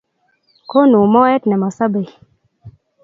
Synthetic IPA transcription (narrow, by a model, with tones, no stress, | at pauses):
ko˦nu˨mɔ˦ɛ˦tnɛ˨ma˨sa˦be˨j